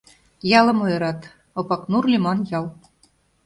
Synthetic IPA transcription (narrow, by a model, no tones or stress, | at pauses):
jɑlɤ̆mojɤ̆ɾɑt̪ | ŏpɑknurlʲimɑnjɑl